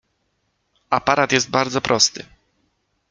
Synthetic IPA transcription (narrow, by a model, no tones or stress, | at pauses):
apaɾat̪jɛsd̪̚baɾd̪zɔpɾʔɔst̪ɘ